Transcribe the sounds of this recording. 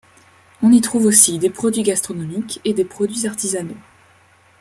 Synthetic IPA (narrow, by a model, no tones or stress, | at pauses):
ɔ̃nit̪χuvosid̪epχɔd̪ɥiɡast̪χɔnɔmiked̪epχɔd̪ɥizaʁt̪izano